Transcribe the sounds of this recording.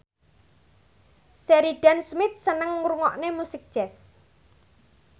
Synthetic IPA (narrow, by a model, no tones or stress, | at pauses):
sɛɾiɖ̥ansmɪt̪̚sənəŋːuɾuŋɔʔnemusɪk̚d̥ʒ̥ɛs